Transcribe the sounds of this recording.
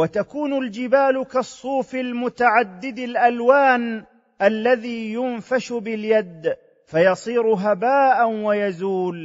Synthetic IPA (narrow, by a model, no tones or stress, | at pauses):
wat̪akuːnʊld͡ʒɪbaːlʊkɑsˤːuːfɪlmʊt̪aʕad̪ːɪd̪alʔalwaːn | ʔalːaðiːjʊnfaʃʊbɪljad̪ | fajɑsˤiːɾʊɦabaːʔanwajazuːl